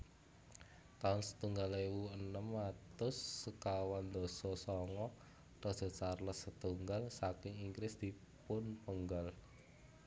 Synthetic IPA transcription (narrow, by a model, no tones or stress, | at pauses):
t̪aʊnsə̥t̪uŋɡalewuənəmːat̪ʊsːəkawand̪ɔsɔsɔŋɔ | t̪ɔd̥d̥ɔ̤t͡ʃarləsət̪uŋɡalsakɪŋiŋɡɾɪsd̪̥i | pʊnpəŋɡal